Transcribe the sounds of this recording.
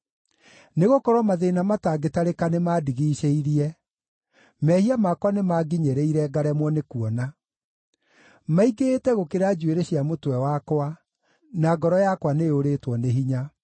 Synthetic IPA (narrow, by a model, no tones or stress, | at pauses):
neɣokɔɾɔmaðenamataːɡetaɾekanemaːdiɣiːʃeiɾiɛ | mɛhiamakwanemaɡiɲeɾeiɾɛɡaɾɛmwɔnekuɔna | maiɡetɛɣokeɾad͡ʑueɾeɕjamotwɛwakwa | naɡɔɾɔjakwaneoɾetwɔneɦiɲa